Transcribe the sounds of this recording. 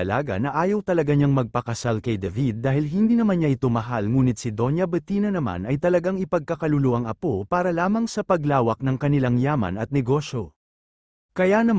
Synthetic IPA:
ɐla̰ːɡɐ̰nɐʔaːjɐwt̪ɐlɐɡaɲaŋmɐɡ̚pɐkɐsalkɐjd̪ɐvid̪̚ːaːhɪlɦɪnd̪iːnɐmanɲaʔɪt̪o̞mɐɦalŋuːnɪt̪̚sɪd̪o̞njɐbɨt̪iːnɐnɐma̰nɐjt̪ɐlɐɡaŋɪpɐɡ̚kɐkɐlʊloʔɐŋɐpopaːɾɐlaːmɐŋsɐpɐɡlaːwɐk̚nɐŋkɐnɪlaŋjaːmɐ̰nɐt̪̚nɛɡo̞ʃo̞ | kɐjanɐm

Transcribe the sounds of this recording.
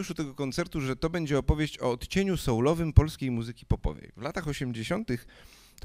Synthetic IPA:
uʂut̪ɛɡɔkɔnt̪sɛɾt̪uʐɛt̪ɔbɛɲd͡ʑɛɔpɔvʲjeɕt͡ɕɔːt̪t͡ɕeɲusɔwlɔvɘmpɔlskʲejmuzɘkʲi̥pɔpɔ̰vɛ̰jvlat̪axɔɕɛmd͡ʑeɕɔnt̪ɘx | t̪

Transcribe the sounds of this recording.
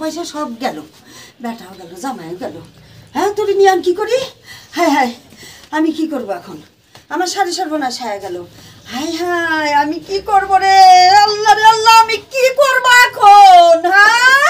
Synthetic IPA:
ɔjʃaʃɔb̚ɡɛlo | bɛʈaoɡɛlozamajɡɛloat̪oɾinijamkikoɾihajɦajamikikoɾboɛkʰon | amaɾʃaɾiʃɔɾbonaʃajaɡɛlo | hajɦajamikikoɾboɾealːaɾealːaamikikoɾboɛkʰonɦa

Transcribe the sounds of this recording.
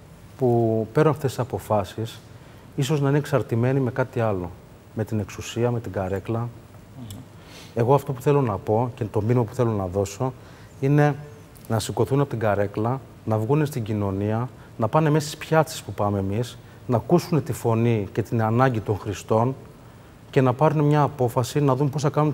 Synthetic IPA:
pupe̞ɾonɐft̪esisɐpo̞fɐsis | iso̞znɐineksɐɾt̪ime̞nime̞kɐt̪iɐlo̞ | me̞t̪ine̞ksusiɐme̞t̪iɡɐɾe̞klɐ | e̞ɣo̞ɐft̪o̞pu̥θe̞lo̞nɐpo̞cet̪o̞minmɐpu̥θe̞lo̞nɐðo̞so̞ | ine̞ | nɐsiɡo̞θunɐpot̪iɡɐɾe̞klɐ | nɐvɣune̞st̪iɲɟino̞niɐ | nɐpɐne̞mest̪ispçɐt͡si̥spupɐmeːmis | nɐkusune̞t̪ifo̞nice̞t̪inɐnɐɲɟit̪o̞ŋxɾist̪o̞n | ce̞nɐpɐɾunemɲɐːpo̞fɐsinɐðumpo̞sθɐkɐnun

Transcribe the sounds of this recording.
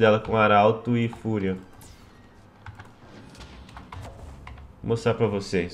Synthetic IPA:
d̪ɛlɐkõaɾawt̪ʊɪfuɾiɐ | most̪ɾaɾpɾɐvoses

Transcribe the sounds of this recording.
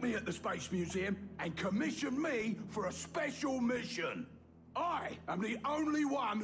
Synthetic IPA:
miəʔ̚ðəspeɪsmjʉziə̃mə̃nkʰəmɪʃə̃nmifəɹəspɛʃəlˠmɪʃə̃n | aɪə̃mðiʔə̃ʊ̃nliwʌ̃n

